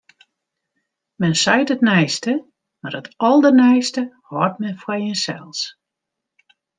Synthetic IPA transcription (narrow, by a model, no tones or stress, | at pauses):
mɛnsɛjtətnɛjstə | marətʰɔlˠdənɛjstə | hɔtmɛnfwɔjənsɛ̰lˠs